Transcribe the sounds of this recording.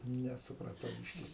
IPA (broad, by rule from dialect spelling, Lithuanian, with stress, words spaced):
nʲɛsʊprɐˈtɐʊ ˈbʲiːʃʲkʲɪ